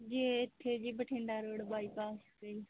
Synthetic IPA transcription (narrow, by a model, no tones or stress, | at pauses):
d͡ʒiːɪt̪ʰːeːd͡ʒiːbəʈʰẽːɳɖaːɾoːɽbaːiːpaːskəiː